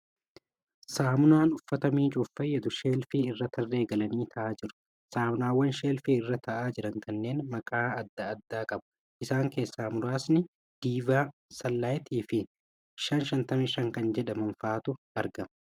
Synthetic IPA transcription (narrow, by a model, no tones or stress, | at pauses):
saːmʊnaːnʊfːɐt̪ɐmiːt͡ʃʼʊfːɐjɛd̪ʊʃe̞ːlfiːɪrːɐt̪ʰɐrːe̞ːɡɐlɐniːt̪ʰɐʔaːd͡ʒɪɾʊ̥ | saːmʊnaːwːɐnʃeːlfiːɪrːɐt̪ʰɐʔaːd͡ʒɪɾɐŋkʰɐnːe̞ːnmɐkʼaːɐd̪ːɐːd̪ːaːkʼɐbʊ̥ | ʔɪsaːŋke̞ːsːaːmʊɾaːsnɪ | d̪̥iːvaːsɐlːaːjt̪ʰiːfɪ | ʃɐnʃɐnt̪ɐmɪʃɐŋkɐnd͡ʒɛᶑɐmɐnfaːt̪ʊ | ɐɾɡɐmɐ